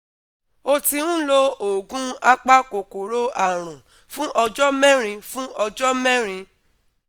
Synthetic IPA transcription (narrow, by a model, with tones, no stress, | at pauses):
o˧ti˧ũ˦lo˦o˨ɡũ˦a˦k͡pa˦ko˨ko˨ɾo˦a˦˨ɾ̃ũ˨ | fũ˦ʔɔ˧d͡ʒɔ˦mɛ̃˦ɾ̃ĩ˧fũ˦ɔ˧d͡ʒɔ˦mɛ̃˦ɾ̃ĩ˧